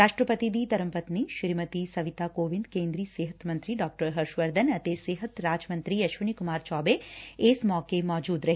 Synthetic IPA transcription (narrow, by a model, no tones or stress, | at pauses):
ɾaːʃʈɾəpət̪id̪it̪ɐɾə̃mpət̪niʃɪɾmət̪isɐʋɪt̪aːkoːʋɪ̃nd̪kẽːnd̪ɾiːseːɦət̪mɐ̃nt̪ɾiɖɔːk̚ʈəɾɦɐɾʃʋəɾd̪ʱənɐt̪eseːɦət̪ɾaːd͡ʒmɐ̃nt̪ɾiɐʃʋənikʊmaːɾt͡ʃɔːbeeːsmɔːkemɔːd͡ʒuːd̪ɾɐɦ